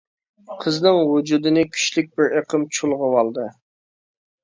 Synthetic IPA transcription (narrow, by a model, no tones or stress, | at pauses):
qʰəznɨŋwʊd͡ʒud̪ɪnɨkʲʰy̥ʃlɪk̚ʲbɪɾeqʰəmt͡ʃʰulˠʁəwɑlˠd̪ɨ